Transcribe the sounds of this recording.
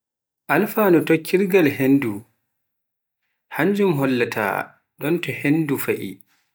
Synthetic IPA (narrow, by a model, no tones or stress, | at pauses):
ʔalfaːnɔtokʰːiɾɡalhendu | haɲd͡ʒumɦɔlːatʰa̰ː | ɗɔntɔhendufaʔḭ